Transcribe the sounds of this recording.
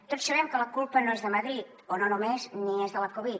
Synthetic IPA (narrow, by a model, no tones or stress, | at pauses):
t̪otsəβ̞ɛmkələkulˠpənoezðəməðɾit̪ononumezniezðələkoβi